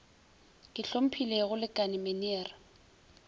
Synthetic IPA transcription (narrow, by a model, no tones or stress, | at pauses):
kʼɪɬom̩pʰileɣʊlɪkʼanɪmenɛːra